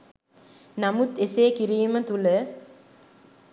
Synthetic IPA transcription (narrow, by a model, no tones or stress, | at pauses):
namut̪eseːkiɾiːmət̪ulə